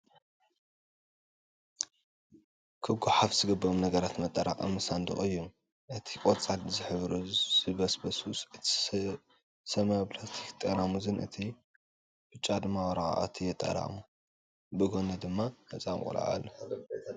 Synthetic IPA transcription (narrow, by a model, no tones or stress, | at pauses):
kʰɨɡuħafzɨɡɐbɾomnɐɡɐɾat̪mɐt̪ʼːɐɾʔa̰χʼɐ̰mɨsand̪ɨ̰χʼɨjːum | ʔɨt̪ʰikʼot͡sʼalzɨħɨβɾuzɨβɐsbɐsusɨt̪ʰi̥ | sɐmɐplast̪ʰi̥kt̪ʼɐɾamuzɨnʔɨ̰t̪ʰi | bɨt͡ʃʼad̪ɨmːawɾa̰a̰ʔa̰t̪ʰijɛt̪ʼːɐ̰ɾa̰mu | bɨɡʰonɐd̪ɨmːahɐt͡sʼamkʼṵla̰ʕa̰lːo